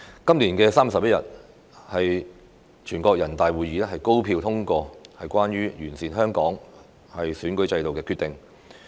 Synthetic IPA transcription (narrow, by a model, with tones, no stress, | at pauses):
kɐ˥mliː˨˩nkɛː˧saː˥m˨sɐ˨p̚jɐ˥jɐ̰˨t̚ | hɐ˨j | t͡ʃʰyː˨˩nkɔː˧k̚jɐ˨˩nt̪aː˨jwuː˨˩jiː˨˥ɛ˥hɐ˨jko˥wpʰiː˧wt̪ʰʊ˥ŋkɔː˧hɐ˨jkʷaː˥nɥyː˥jyː˨˩nsiː˨nɦœː˥ŋkɔː˨˥ŋ | hɐ˨jsyː˨˥nkɵ˨˥ɥt͡sɐ˧jt̪o˨wkɛː˧kʰy˧t̪ɪ˨ŋ